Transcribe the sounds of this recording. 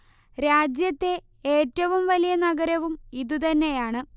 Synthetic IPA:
ɾaːd͡ʑjɐt̪ːe̞ | eːtːɐʋumʋɐlijɐnɐɡɐɾɐʋumiðut̪ɐnːe̞jaːɳɨ

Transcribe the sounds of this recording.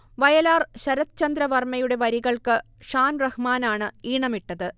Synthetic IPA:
ʋɐjɐlaːrɕɐɾɐt̪t͡ɕɐnd̪ɾɐʋɐrmɐjuɽe̞ʋɐɾiɣɐɭkɨ | ʂaːnrɐhmaːnaːɳɨiːɳɐmiʈːɐðɨ

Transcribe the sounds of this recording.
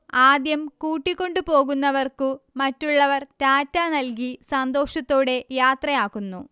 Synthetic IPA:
aːd̪jɐmkuːʈːikʲːo̞ɳɖupo̞ːɣunːɐʋɐrkɨmɐtːuɭːɐʋɐrt̪aːtːaːnɐlkisɐnd̪o̞ːʂɐt̪ːo̞ːɽe̞jaːt̪rɐjaːkːunːu

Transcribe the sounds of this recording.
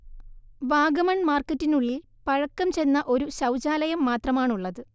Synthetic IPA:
ʋaːɡɐmɐɳmaːrkːɐtːinuɭːil | pɐɻɐkːɐmt͡ɕe̞nːɐʔo̞ɾuɕɐwt͡ɕaːlɐjɐmːaːt̪rɐmaːɳuɭːɐðɨ

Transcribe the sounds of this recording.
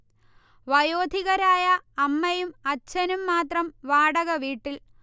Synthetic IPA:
ʋɐjoːd̪ʱiɣɐɾaːjɐːmːɐjumɐt͡ɕːɐnumːaːt̪rɐmʋaːɽɐɣɐʋiːʈːil

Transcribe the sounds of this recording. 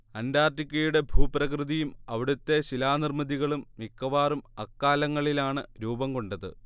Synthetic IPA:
ɐndaːrtikʲːɐjuɽe̞bʱuːprɐkrɨðijumɐʋiɽut̪ːe̞ɕilaːnirmɐðiɣɐɭumːikːɐʋaːrumɐkːaːlɐŋːɐɭilaːɳɨɾuːbɐmko̞ɳɖɐðɨ̰

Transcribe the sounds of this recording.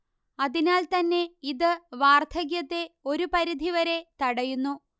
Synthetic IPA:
ɐðinaːlt̪ɐnːe̞iðɨʋaːrt̪ʰɐɣjɐt̪ːe̞o̞ɾupɐɾid̪ʱiʋɐɾe̞t̪ɐɽɐjunːu

